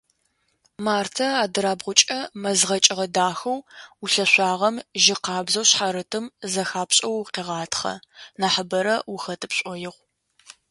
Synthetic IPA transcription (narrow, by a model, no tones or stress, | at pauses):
maːrtʰɐaːdɨɾaːbʁʷʊt͡ʃʼɐmɐzʁɐt͡ʃʼɪʁɐdaːxɐwʊɬɐɕʷɑːʁɐmʒɪqɑːbzɐwɕħaɾɨtʰɨmzɐxaːpɕʼɐwːqeːʁɑːtʰχɐ̰naːħəbɐɾɐwʊxɐtʰɨpɕʷʼɔjɪʁʷ